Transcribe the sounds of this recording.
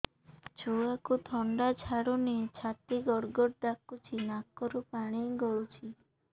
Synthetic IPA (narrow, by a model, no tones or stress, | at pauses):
t͡ʃʰoakut̪ʰɔɳɖat͡ʃʰaɽunet͡ʃʰat̪iɡɔɾɡɔɾd̪akːut͡ʃʰinakːɔɾupaɽ̃ijɡɔɭut͡ʃʰi